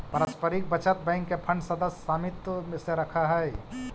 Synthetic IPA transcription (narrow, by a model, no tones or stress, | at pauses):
pɐɾəspəɾɪk̚bət͡ʃət̪̚bɛ̃ːŋkːepʰə̃ɳɖsɐd̪əssaːmɪt̪əseɾɐkʰaɦɛː